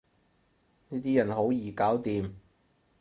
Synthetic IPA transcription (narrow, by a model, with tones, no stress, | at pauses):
niː˥t̪iː˥jɐ˨˩nɦo˨˥wjiː˨˩kaː˨˥wt̪iː˨m